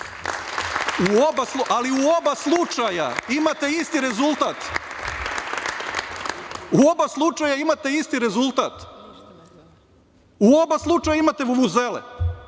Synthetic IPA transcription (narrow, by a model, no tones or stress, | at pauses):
uobasluʔaliuobaslˠut͡ʃaja̰imat̪eist̪iɾe̞zulˠt̪at̪ | uo̞baslˠut͡ʃajaimat̪eist̪iɾe̞zulˠt̪at̪ | uo̞baslˠut͡ʃajaimat̪eʋuʋuzelḛ